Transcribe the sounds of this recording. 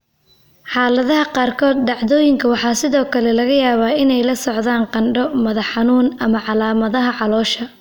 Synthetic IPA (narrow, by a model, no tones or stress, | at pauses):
ħɑːlɐðɐɦɐqɑːrkʰɔːd̪̚ɖɑʕðɔːjɪŋkʰɐwɑħɑːsɪðɔːkʰɐlɛlɐɣɐjaːβaːɪnɛjlɐsɔʕðaːnqɑnɖɔmɐðɐħɑnuːnɐmɐʕɑlaːmɐðɐɦɐʕɑlɔːʃɐ